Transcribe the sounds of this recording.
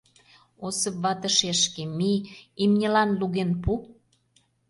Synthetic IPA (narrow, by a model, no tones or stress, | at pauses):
osə̆pβɑt̪ə̆ʃeʃkĕmiimnʲĕlɑnluɣenpu